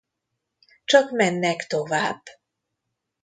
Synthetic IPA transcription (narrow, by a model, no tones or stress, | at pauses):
t͡ʃɒkmɛnːɛkt̪o̞vaːb̥ː